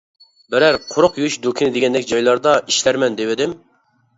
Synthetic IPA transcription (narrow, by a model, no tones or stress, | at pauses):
bɪɾæɾqʰʊɾʊqjyyʃd̪okʲʰinɪd̪eɡʲɛnd̪ɛkʲd͡ʒɑjlˠɑɾd̪ɑiʃlæɾmɛnd̪ewɪd̪ɪm